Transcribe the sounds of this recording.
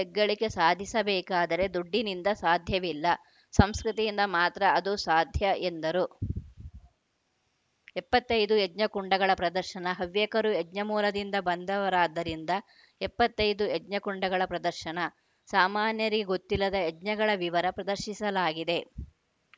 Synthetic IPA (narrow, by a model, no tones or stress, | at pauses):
ɛɡːɐɭike̞saːd̪ʱisɐbɛːkaːd̪ɐɾe̞d̪uɖːinind̪ɐsaːd̪ʱjɐʋilːɐ | sɐmskɾut̪ijind̪ɐmaːt̪ɾɐɐd̪usaːd̪ʱjɐend̪ɐɾu | ɛpːɐt̪ːɐjd̪uedɲɐkuɳɖɐɡɐɭɐpɾɐd̪ɐɾʃɐnɐɦɐʋjɛkɐɾuɛd͡ʒɲɐmuːlɐd̪ind̪ɐbɐnd̪ɐʋɐɾaːd̪ːɐɾind̪ɐ | ɛpːɐt̪ːɐjd̪uɛd͡ʒɲɐkuɳɖɐɡɐɭɐpɾɐd̪ɐɾʃɐnɐ | saːmaːnjɐɾiɡeɡo̞t̪ːilːɐd̪ɐeɟɲɐɡɐɭɐʋiʋɐɾɐpɾɐd̪ɐɾʃisɐlaːɡid̪e̞